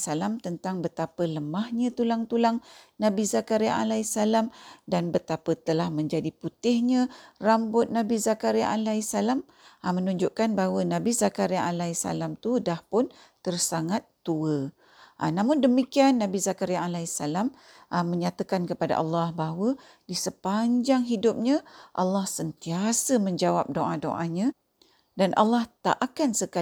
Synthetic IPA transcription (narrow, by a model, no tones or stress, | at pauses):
salamt̪ənt̪aŋbət̪apələmahɲãt̪ulaŋt̪ulaŋnãbizakaɾjaʔa̰laisalamdanbət̪apət̪əlahmə̃ɲd͡ʒadiput̪ɪhɲə̃rambʊt̪̚nabizakaɾiaʔalaisalam | mənuɲd͡ʒʊʔkanbaɦwənãbizakaɾiaʔalaisa̰lamt̪udahpʊnt̪ərsaŋat̪ːuə | ʔnãmʊndəmikianːãbizakaɾiaalaisalam | məɲat̪akankəpada̰ʔalːahbaɦwə | disəpaɲd͡ʒaŋɦidʊp̚ɲə̃ʔa̰lːahsənt̪iasəmə̃ɲd͡ʒawap̚doʔado̰ʔaɲã | danʔa̰lːaht̪a̰ʔakansəka